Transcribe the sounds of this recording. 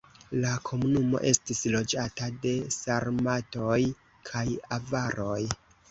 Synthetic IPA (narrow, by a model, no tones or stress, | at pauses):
lakʰo̞munumo̞̰ʔe̞stislo̞d͡ʒatade̞saɾmatoj | kʰajavaɾʔo̞j